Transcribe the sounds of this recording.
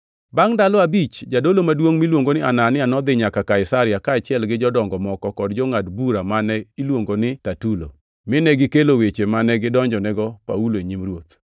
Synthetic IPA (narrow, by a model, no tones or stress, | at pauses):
baŋdalɔabit͡ʃd͡ʒadolomadwoŋmilwoŋɡonɪananɪanɔd̪ɪɲakakaɪsaɾɪjakaːt͡ʃɪɛlɡɪd͡ʒɔdɔŋɡɔmɔkɔkɔdd͡ʒɔŋadbuɾamanɛilwoŋɡonɪtatulo̰ | mɪnɛɡɪkelowet͡ʃemanɛɡɪdɔɲd͡ʒɔnɛɡɔpauloeɲimrwot̪